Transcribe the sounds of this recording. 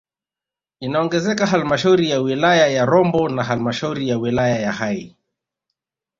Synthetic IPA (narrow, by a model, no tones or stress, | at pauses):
inaɔŋɡɛzɛkaɦalmaʃauɾijawilajajaɾɔmbɔnaɦalmaʃauɾijawilajajahai